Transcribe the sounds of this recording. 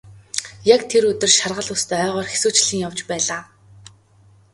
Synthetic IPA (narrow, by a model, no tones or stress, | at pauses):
jakt̪ʰeɾɵt̪ɵ̆rʃarʁə̆ɮʊːst̪ʰœːœːʁɔːrxesuːt͡ɕɮɘ̆ŋjawt͡ɕpæːɮaː